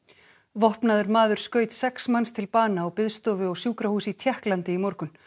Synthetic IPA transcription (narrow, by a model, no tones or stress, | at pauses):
vɔhpnaðʏɾmaːðʏɾ̥skœːɥt̪sɛksmanst̪ʰɪlpaːnaɔɣpɪðst̪ɔːvɪɔɣsjuːkɾahuːsit̪ʰjɛhklant̪ɪimɔɾkʏn